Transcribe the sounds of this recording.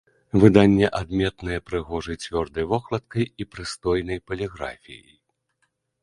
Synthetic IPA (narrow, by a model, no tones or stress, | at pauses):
vɨd̪anʲːɛʔad̪mʲɛt̪nɨjɐpɾɨɣɔʐɨt͡sʲvʲɔrd̪ɐjvɔxlˠɐt̪̚kɐjipɾɨst̪ɔjnɐjpɐlʲiɣɾa̰fʲḭjɐ̰j